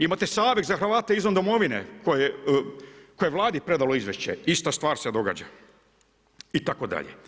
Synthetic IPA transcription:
imat̪esaːʋeɡzaxɾ̩ʋaːt̪eizond̪omo̞ʋinḛkoje | kojeʋlˠaːd̪ipɾe̞d̪aloizʋeʃt͡ɕḛist̪ast̪ʋaːɾsed̪o̞ɡa̰d͡ʑa̰ | it̪akod̪a̰ʎḛ

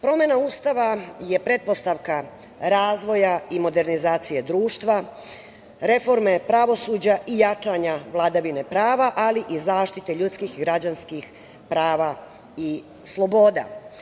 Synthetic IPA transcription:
pɾo̞me̞naust̪aʋaje̞pɾe̞t̪̚po̞st̪aʋka | ɾaːzʋo̞jaimo̞d̪e̞ɾnizaːt̪sije̞d̪ɾuːʃt̪ʋa | ɾe̞fo̞ɾme̞pɾaʋo̞suːd͡ʑaʔijat͡ʃaɲaʋlˠad̪aʋine̞pɾaːʋaʔaliʔizaːʃt̪it̪e̞ʎut̪skixiɡɾad͡ʑanskix | pɾaːʋa | i | slˠobo̞ːd̪a̰

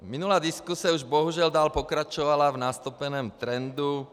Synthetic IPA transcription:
minulaːd̪iskusiauʒbɔɦuʒɪald̪aːlpɔkɾat͡ʃɔʋalavnast̪upɛnɛːmt̪ɾɛnd̪u

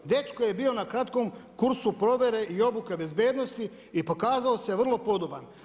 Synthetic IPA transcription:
d̪e̞t͡ʃkojebiːo̞nakɾat̪ko̞mkuɾsupɾo̞ʋe̞ɾe̞ʔio̞buke̞be̞zbjeːd̪no̞st̪i | ipo̞kaːzaoseʋr̩lˠo̞po̞d̪oban

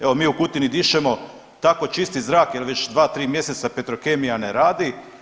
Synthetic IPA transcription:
e̞ʋo̞miːukut̪inid̪iʃemo̞ | t̪ako̞t͡ʃist̪izɾaːkjelʋet͡ʃd̪ʋaːt̪ɾiːmje̞set̪sape̞t̪ɾokemijaneɾaːd̪i

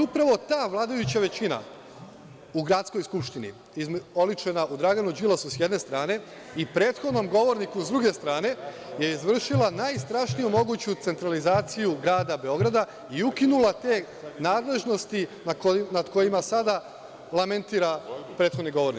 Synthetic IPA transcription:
upɾaʋo̞t̪aːʋlˠaːd̪ajut͡ɕaʋe̞t͡ɕina̰ | uɡɾat̪sko̞jskupʃt̪inḭ | izo̞lit͡ʃe̞naʔud̪ɾaɡanud͡ʒilasusjed̪ne̞st̪ɾaːne̞ | ipɾe̞ːt̪xo̞d̪no̞mɡo̞ʋo̞ɾnikuzd̪ɾuɡe̞st̪ɾaːne̞ | je̞izʋr̩ʃilanajst̪ɾaʃnijumo̞ɡut͡ɕut̪se̞nt̪ɾalizaːt̪sijuɡɾaːd̪abe̞o̞ɡɾad̪a | iukinulˠat̪e̞ː | naːd̪le̞ʒno̞st̪inaknad̪ko̞jimasad̪a | lˠament̪iːɾapɾet̪xod̪niɡo̞ʋo̞ɾnik

